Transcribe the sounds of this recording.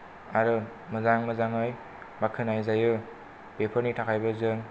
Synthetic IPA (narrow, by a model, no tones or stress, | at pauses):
aɾɯ | mɯzaŋmɯzaŋɯj | bakʰɯnajzajɯ | b̥epʰəɾnitʰakʰajbʌzɯŋ